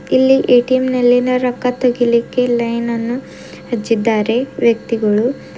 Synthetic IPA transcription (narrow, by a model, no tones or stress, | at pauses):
ilːiʔeʈiemnɐlːinɐɾɐkːɐt̪oɡilikːe̞lɐjnɐnːu | hed͡ʒːid̪ːaːɾe̞ʋjɐk̚t̪iɡɐɭu